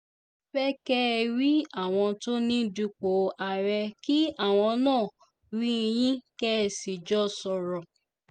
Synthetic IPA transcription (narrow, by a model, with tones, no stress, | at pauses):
fɛ˦kɛ˦˧ɾi˦a˦˨w̃ɔ̃˧to˦nĩ˦du˧k͡po˨˦a˨ɾɛ˧ki˦a˦˨w̃ɔ̃˧nãː˦˨ | ɾĩ˦˧j̃ĩ˦kɛ˦˨si˨d͡ʒɔ˦sɔ˧ɾɔ̃˨